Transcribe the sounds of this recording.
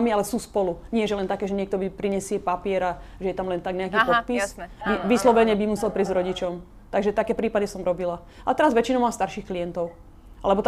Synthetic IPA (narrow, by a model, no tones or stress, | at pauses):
mialɛsuːspɔluɲɪɛʒɛlɛnt̪akɛːʒɛɲɪɛk̚t̪ɔbipɾiɲɛsɪɛpapɪɛɾa | ʒɛjɛt̪amlɛnt̪aɡɲɛjakiːpɔt̪̚pisbiʋislɔʋɛɲɛbimusɛlpɾiːzɾɔɟit͡ʃɔm | t̪aɡʒɛt̪akɛːpɾiːpaɟɛsɔmɾɔbila | at̪ɛɾazʋɛt͡ʃinɔʊmaːmst̪aɾʃiːxklijɛnt̪ɔʊ | ʔa̰lɛbɔt̪